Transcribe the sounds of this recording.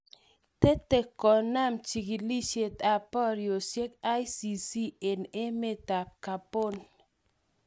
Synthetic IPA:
t̪e˦te˨kɔ˨na˦˨mt͡ʃi˨ɡi˨li˦ʃe˨t̪a˨pɔ˦ɾjo˨sje˦ka˦jsi˨si˦e˨ne˦me˦ta˨p̚ka˨po˦˨n

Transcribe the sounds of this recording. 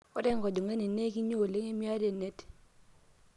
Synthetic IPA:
ɔ˦dɛ˦ŋkɔ˨d͡ʒɔ˨ŋe˦ni˨ne˦ki˦ɲo˦˨lɪ˦ŋe˦mja˦de˨ne˦t

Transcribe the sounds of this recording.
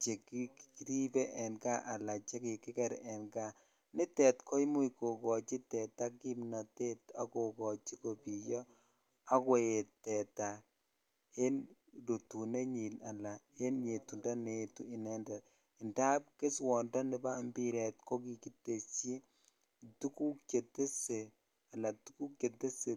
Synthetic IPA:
t͡ʃe˨ki˦ɾi˦bɛ˦ʔɛ˨nɡa˦ʔa˨la˨t͡ʃɛ˦kɪ˨kɪ˦kɛ˦ɾɛ˨nɡa˦ | nɪ˦tɛ˨tkʰo˦jmu˦i˨ko˨kɔ˨t͡ʃi˦tɛ˨ta˦ki˦mna˨te˦ta˦ko˨kɔ˨t͡ʃi˦ko˨pi˨jɔ˦ | a˦kwe˦˨e˨tɛ˨ta˨ | he˦n | do˨tu˨ne˦ɲi˨na˨la˨he˦nɲe˨tu˨nda˦ne˨tu˦i˨nɛ˦ndɛ˨t | ɪ˨nda˦p̚ke˦swɔ˨ndɔ˦nɪ˦ba˦mbi˦ɾɛ˨t̚ko˦ki˨ki˦tːe˨t͡ʃi˦ | tu˦ku˦kt͡ʃe˨te˦se˨ | a˨la˨tu˦ku˦kke˨te˦se˨

